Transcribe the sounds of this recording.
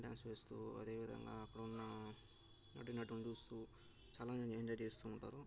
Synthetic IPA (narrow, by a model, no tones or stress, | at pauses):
ɖja̰ːnsʋeːst̪ṵːɐ̰d̪e̞ːʋid̪ɐ̰ŋɡa̰ːɐkːɐɽɐunːɐ | nɐ̰ʈinɐʈunt͡ʃuːst̪uː | t͡ʃaːlaːeɲd͡ʒaːjt͡ʃeːst̪uːɳʈa̰ːɾu